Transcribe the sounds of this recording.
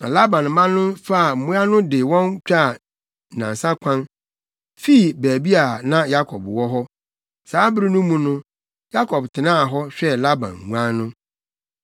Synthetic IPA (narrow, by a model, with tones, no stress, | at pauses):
nã̰˨la˦bã˨n˨mã˦nːʊ̃˦fa˦a˨m̩˨mũ˦a˦nʊ̃˦dɪ˨wɔ̃˦nt͡ɕᶣa˦˨ | nã˨n˨sã˦kʷʰã˦n | fi˦˨bæː˨bi˦a˨nã˦ja˦kʰɔ˨bwɔ˦ɦɔ˦ | saː˨˦bɾi˦nʊ̃˦mũ˨nʊ̃˦ | ja˦kʰɔ˨btʰɪ˨nãː˦˨ɦɔ˦ɕᶣɛ˦la˦bã̰˨n˨ŋũ˦ã˦nʊ̃˦